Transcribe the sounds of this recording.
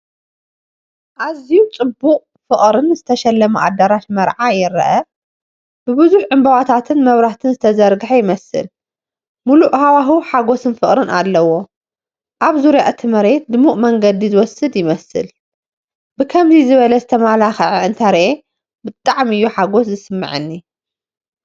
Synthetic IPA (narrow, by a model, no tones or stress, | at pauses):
ʔazijut͡sʼɨbːuqʼ | fɨχʼɾɨnzɨt̪ʰɐʃɛlːɐmuʔa̰d̪ːɐɾaʃmɐɾʕajɪɾɐ̰ʔɐ | b̥ɨβɨzuħʕɨmbɐwat̪ʰat̪ʰɨnmɐβɾaht̪ʰɨnzɨt̪ʰɐzɐɾɡɨħejɪmɐsɨ̰l | muluʔhawaɦuħaɡo̞sɨnfɨχʼɾɨnʔa̰lːɐwo̞ | ʔaβzuɾjaʔt̪ʰɨmɐɾe̞t̪̚d̪ɨmuʔʼmɐŋɡɐd̪izɨwɔsɨd̪jɪmɐsɨ̰l | bɨkʰɐmzizɨβɐlɐzɨt̪ʰɐmalaxʕiɨnt̪ʰɐɾʔe | bɨt̪ʼːaʕmɨjːuħaɡo̞szɨsɨmːɨ̰ʕɨ̰nːi